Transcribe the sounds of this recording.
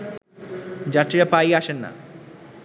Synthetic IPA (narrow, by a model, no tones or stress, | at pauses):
d͡ʑat̪ːɾiɾapajaʃenːa̰